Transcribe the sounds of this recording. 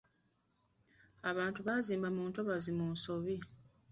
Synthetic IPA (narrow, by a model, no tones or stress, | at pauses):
aβaːntuβaziːmbamuːntoβazimuːnsoβi